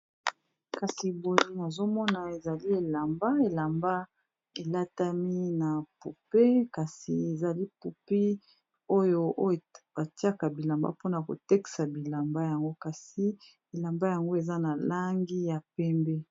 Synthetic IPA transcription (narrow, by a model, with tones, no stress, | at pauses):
ka˨si˨bo˨li˦na˨zo˦mɔ˦na˨e˨za˨li˦e˨la˨mba˦e˨la˨mba˦ | e˨la˦ta˦mi˦na˨pu˨pe˦ka˨si˨e˨za˨li˦pu˨pi˦ | o˦jo˦o˦˨b̥a˨ti˦a˦ka˨bi˨la˨mba̰˦po˦na˨ko̰˨tɛ˦ki̥˨sa˨bi˨la˨mba˦ja˨ŋɡo˦ka˨si˨ | e˨la˨mba˦ja˨ŋɡo˦e˨za˦na˨la˦ŋɡi˦ja˨pɛ˦mbɛ˦